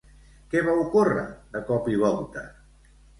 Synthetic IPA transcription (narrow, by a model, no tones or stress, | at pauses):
kɛβaukurə̰ðəkɔpiβ̞ɔlˠt̪ə